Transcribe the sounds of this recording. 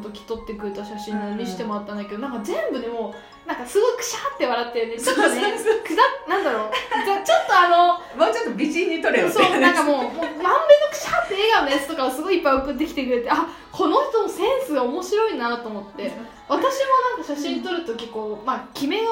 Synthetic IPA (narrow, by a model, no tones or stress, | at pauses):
t̪okʲi̥t̪o̞t̪ːe̞kɯ̟ɾet̪aɕaɕĩnamʲiɕi̥t̪e̞moat̪ːãnake̞d̪o̞nãŋkazẽ̞mbɯ̟d̪e̞moː | nãŋkasɨɡo̞ikɯ̟̥ɕat̪ːe̞βaɾat̪ːeɯ̃net͡ɕt͡ɕot̪ːekɯ̟zanãnd̪aɾoːd͡ʑat͡ɕo̞t̪ːo̞ano̞ | moːt͡ɕot̪ːobʲiʑĩɲ̟ːit̪o̞ɾejosoːnãŋkamo̞ːmoːmãmbenokɯ̟̥ɕat̪ːe̞eɡanːajat͡sɨ̥t̪o̞kaosɨɡo̞ipːaiokɯd̪e̞kʲi̥t̪e̞k̬ɯ̟ɾe̞t̪ea | kʰo̞no̞ç̥ʲt̪o̞no̞sẽ̞ɰ̃sɨɡaomo̞ɕiɾo̞inat̪o̞ːmo̞t̪ːe̞ | βat̪aɕiβanãŋkaɕaɕĩɲ̟ːt̪o̞ɾɯ̟t̪o̞kʲiko̞ːmakʲime̞